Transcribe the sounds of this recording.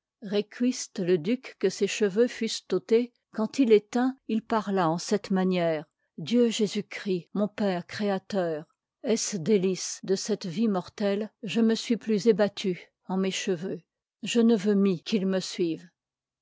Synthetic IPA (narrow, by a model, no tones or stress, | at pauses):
ʁekʲʰɥist̪ləd̪ykːəseʃəvøfyst̪ot̪e | kɑ̃t̪ilɛt̪ɛ̃ilpaʁlaɑ̃sɛt̪manjɛːʁ | d̪jøʒezykχimɔ̃pɛːʁkχeat̪œːʁ | ɛsd̪elisd̪əsɛt̪vimɔʁt̪ɛlʒəməsɥiplyzebat̪ʰy | ɑ̃meʃəvø | ʒənəvømikʰilməsɥiv